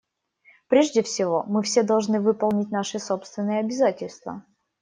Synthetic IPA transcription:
pɾʲeʐdʲɪfsʲɪvo̞mɨfsʲed̪ɐlˠʐnɨvɨpəɐlˠnʲɪt̚ʲnaʂɨso̞pst̪vʲɪnːɨjəɐbʲɪzatʲɪlʲst̪və̰

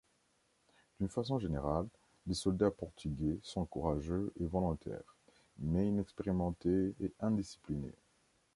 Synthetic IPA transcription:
d̪̥ynfasɔ̃ʒeneʁalː | esɔld̪apɔʁt̪ʰyɡʲesɔ̃kuʁaʒøevɔlɔ̃t̪ɛ̰ːʁ | mɛinɛkspeʁimɑ̃t̪eeɛ̃d̪isi̥plinḛ

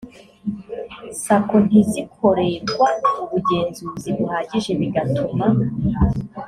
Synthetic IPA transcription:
sakon̥izikʰo̞ɾeɡwauβuɟe̞ːnzuːziβuhaːɟiʒe̞βiɡatʰuma

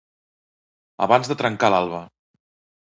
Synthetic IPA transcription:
ə̰βanzðət̪ɾəŋkalalˠβə

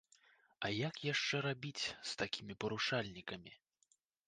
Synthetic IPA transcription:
ɐjakjaʂt͡ʂɛɾabʲit͡sʲst̪akʲʰimʲipɐɾuʂalʲnʲikɐmʲi

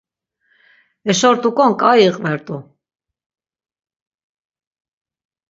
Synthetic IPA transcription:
ɛʃɔɾt̪ʼukʼɔŋkʼajiqʼvɛɾt̪ʼu

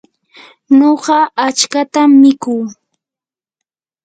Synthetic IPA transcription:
noɢɑʔat͡ʃkat̪amːɪkuː

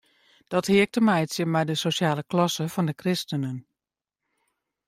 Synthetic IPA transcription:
d̥ɔthɪək̚təmɛjəsjəmɛjdəsosjaːləklɔsəfɔndəkrɪstənən

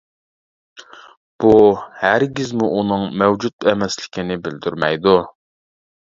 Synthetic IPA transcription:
b̥uhæɾɡʲizmuʔunɨŋmɛwd͡ʒut̪ɛmɛslɪ̥kʲinɪbɪld̪yɾmɛjd̪u

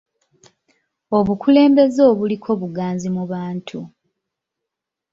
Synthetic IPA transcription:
o̞βukʰule̞ːmbe̞zoːβulikʰo̞ːβuɡaːnzimuβaːntʰu

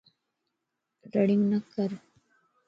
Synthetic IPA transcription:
ɾɐɽiŋnɐkːɐɾ

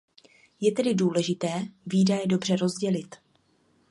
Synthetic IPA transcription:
jɛt̪ɛdɪduːlɛʒɪt̪ɛːviːdajɛdo̞br̝ɛɾo̞zɟɛlɪt̪

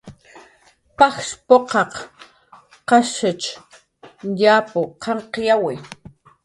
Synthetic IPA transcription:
paxspoqɑq | qɑʃɪt͡ʃ | ʎaːpʊqɑɴqjawɪ

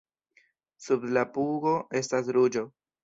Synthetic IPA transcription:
sublapuɡo̞e̞stasɾud͡ʒo̞

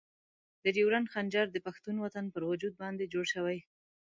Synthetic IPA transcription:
d̪̥əɾiwɾanxand͡ʒɑɾd̪əpaxt̪unwat̪anpəɾwʊd͡ʒud̪̚bɑnd̪ed͡ʒoɽʃəwaj

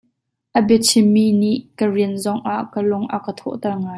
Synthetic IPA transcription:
ʔəbɛt͡sʰimːiniʔkəriənzɔŋʔaʔkəlʊŋʔakət̪ʰɔ̰ʔt̪ɛrŋaːj

